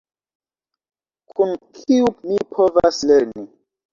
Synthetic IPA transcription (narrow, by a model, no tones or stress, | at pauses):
kʰunkʰiumipʰova̰sleɾni